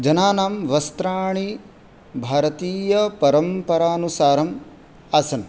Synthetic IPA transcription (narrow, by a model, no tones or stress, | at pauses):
d͡ʒɐnaːnaːmʋɐst̪ɾaːɳi | bʱaːɾɐt̪iːjɐpɐɾɐmpɐɾaːnusaːɾɐm | ɐsɐn